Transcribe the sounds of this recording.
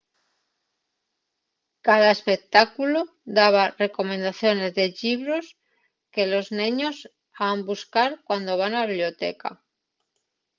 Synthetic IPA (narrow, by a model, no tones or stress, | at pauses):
kaðaespe̞k̚t̪akulo | d̪aβ̞are̞ko̞mẽnd̪aθjo̞ne̞zðe̞ʎiβɾos | ke̞lo̞znẽɲos | ambuskaɾkwand̪o̞β̞anaβiβljot̪ḛka̰